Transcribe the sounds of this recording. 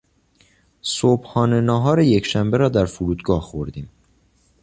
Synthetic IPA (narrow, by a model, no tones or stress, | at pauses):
sob̥hɒːnenɒːɦɒːɾejecʃæmbeɾɒːd̪æɾfuɾuːd̪ɡɒːhxoɾd̪iːm